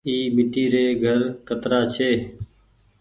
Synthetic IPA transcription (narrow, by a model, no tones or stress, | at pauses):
iːmɪʈiːɾeːɡʱəɾkət̪ɾaːt͡ʃʰeː